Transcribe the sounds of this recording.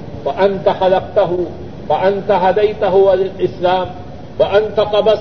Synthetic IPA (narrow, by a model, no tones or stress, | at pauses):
faʔant̪axalaq̚t̪aɦʊ | faʔant̪aɦad̪ajt̪aɦʊwalɪlʔɪslaːm | waʔant̪aqɑbas